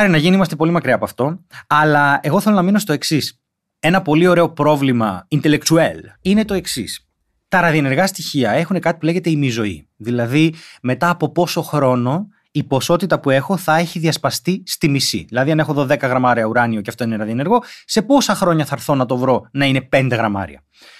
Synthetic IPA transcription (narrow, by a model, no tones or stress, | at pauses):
ɐɾinɐʝiniimɐst̪e̞po̞limɐkɾiɐːpoɐft̪o̞ɐlɐe̞ɣo̞θe̞lo̞nɐmino̞st̪o̞e̞ksis | e̞nɐpo̞lio̞ɾe̞o̞pɾo̞vlimɐint̪e̞le̞k̚t̪ueline̞t̪o̞e̞ksḭs | t̪ɐɾɐðiɐneɾɣɐst̪içiɐe̞xune̞kɐt̪ipule̞ʝe̞t̪eimizo̞ḭ | ðilɐðime̞t̪ɐːpo̞po̞so̞xɾo̞no̞ | ipo̞so̞t̪it̪ɐpue̞xo̞θɐeçiðiɐspɐst̪ist̪imisḭðilɐðiɐne̞xoðo̞ðe̞kɐɣɾɐmɐɾiɐuɾɐnio̞ceɐft̪o̞ineɾɐðiɐne̞ɾɣo̞se̞po̞sɐxɾo̞ɲɐθɐɾθo̞nɐt̪o̞vɾo̞nɐine̞pe̞nd̪eɣɾɐmɐ̰ɾḭɐ̰